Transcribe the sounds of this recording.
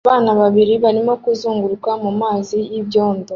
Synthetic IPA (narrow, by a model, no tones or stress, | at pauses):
βaːnaβaβiɾiβaɾimo̞kuzuːŋɡuɾikwamumaːzijiβjoːndo